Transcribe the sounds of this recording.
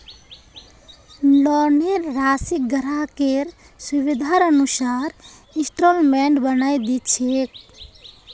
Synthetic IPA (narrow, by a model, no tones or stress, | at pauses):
lɔneɾɾasik̚ɡəɾakeɾ | subid̪ʱaɾənusaɾ | ĩsʈolmɛɳɖbənajd̪itt͡ʃʰek̚